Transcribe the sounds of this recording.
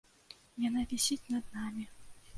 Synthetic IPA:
janavʲɛsʲit͡sʲnɐd̪̚namʲi

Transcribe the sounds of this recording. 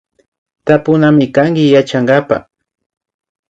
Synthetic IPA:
t̪apʊnamɪkaŋɡɪjat͡ʃaŋɡapa̰

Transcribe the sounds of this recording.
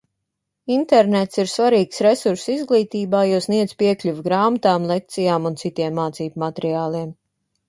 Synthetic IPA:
int̪ɛɾnɛt̪siɾsvaɾiːksɾɛsuɾsizɡlˠiːt̪iːbaːjuɔsniɛd̪z̥piɛklʲuvɡɾaːmat̪aːmlˠek̚t̪sijaːmunt̪sit̪iɛmːaːt̪siːbmat̪ɾiaːlˠiɛm

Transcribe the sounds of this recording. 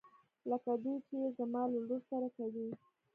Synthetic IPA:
ləkad̪ut͡ʃezamɑlalussaɾakawi

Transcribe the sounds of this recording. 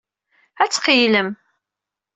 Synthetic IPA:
æt͡sːqiləm

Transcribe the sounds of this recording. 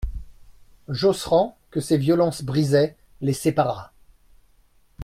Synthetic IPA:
ʒosχɑ̃kəsevjɔlɑ̃sbʁizɛ | lesepaʁa

